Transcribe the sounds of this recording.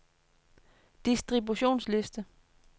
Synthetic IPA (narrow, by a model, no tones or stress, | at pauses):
d̥isd̥ʁibuɕo̝̰ːnsle̝sd̥ə